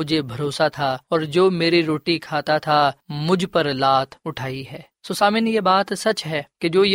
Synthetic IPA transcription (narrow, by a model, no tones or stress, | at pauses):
ʊd͡ʒʱebʱɐɾoːsat̪ʰaɔːɾd͡ʒoːmeːɾiɾoːʈikʰaːt̪at̪ʰamʊd͡ʒʱpɐɾlaːt̪ʰʊʈʰaːiɦɛː | soːsaːmɪnjebaːt̪sɐt͡ʃɦɛːked͡ʒoːj